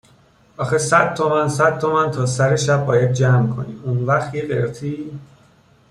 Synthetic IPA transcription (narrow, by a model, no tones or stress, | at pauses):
ʔɒːxesæd̪̥̚t̪ʰomænsæd̪̚t̪ʰo̞mænt̪ʰɒːsæɾeʃæb̚ːɒːjæd̪̚d͡ʒæːmkʰo̞̰nḭːmunvæxt̪jeɡeɾt̪ʰiː